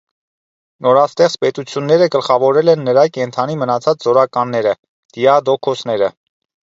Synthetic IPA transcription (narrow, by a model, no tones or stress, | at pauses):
nɔɾɑst̪ɛχt͡spɛt̪ut͡sʰjunːɛɾəɡəlχɑvɔɾɛlɛnːəɾɑkɛnt̪ʰɑnimənɑt͡sʰɑt͡szɔɾɑkɑnːɛɾə | d̪̥iɑd̪ɔkʰɔsnɛɾə